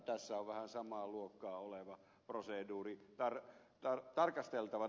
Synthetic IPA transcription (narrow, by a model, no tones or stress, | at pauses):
t̪æsːæoʋʋæhænsɑmɑːluokːɑːoleʋɑ | proseˑduːrit̪ɑr | t̪ɑrt̪ɑrkɑst̪elt̪ɑʋɑ